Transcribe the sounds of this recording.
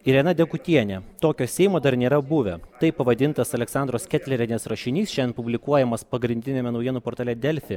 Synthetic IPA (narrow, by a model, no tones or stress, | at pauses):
ɪɾʲjɛnɐd̪ʲɛkʊt̪ʲiɛnʲɛt̪oːkʲoːsʲɛɪmoːd̪ɐɾnʲeːɾɐbuʋʲɛt̪ɐɪpɐʋɐd̪ʲɪnt̪ɐsɐlʲɛksɑˑnd̪ɾoːskʲɛt̪ʲlʲɛɾʲɛnʲeːsɾɐʃʲɪnʲiːsʃʲɛnpʊbʲlʲɪkuɔjɛmɐspɐɡɾʲɪnʲd̪ʲɪnʲɛmʲɛnɒʊjiɛnuːpoːɾt̪ɑːlʲɛd̪ʲɛlʲfʲɪ